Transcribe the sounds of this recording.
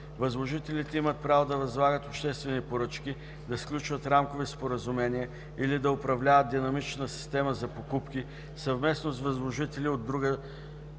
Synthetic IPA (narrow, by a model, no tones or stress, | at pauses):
vɐzlˠoʒit̪ɛlit̪ɛimət̪̚pɾavod̪ɐvɐzlˠaɡət̪opʃt̪ɛst̪vɛnipoɾɤt͡ʃki | d̪ɐsklʲut͡ʃvət̪ɾamkovispoɾəzʊmɛniə | ilid̪ɐʊpɾɐvlʲavəd̪̚d̪inɐmit͡ʃnəsi̥st̪ɛməzɐpokupki | sɐvmɛsnosvɐzlˠoʒit̪ɛliod̪ːɾuɡə